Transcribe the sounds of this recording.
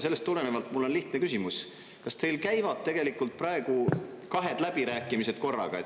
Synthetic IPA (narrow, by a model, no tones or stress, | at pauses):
se̞lːest̪ːule̞nevɑlt̪ˑmulːo̞nliht̪nekysʲimus | kɑst̪e̞jlkæjvɑd̪̥̚t̪e̞ɡ̥e̞likːˑult̪̚pɾɑe̞ɡ̥u | kɑɦe̞d̪̥læb̥iɾæːkːˑimise̞d̪̥̚ko̞rːɑ̰ɡ̥ɑe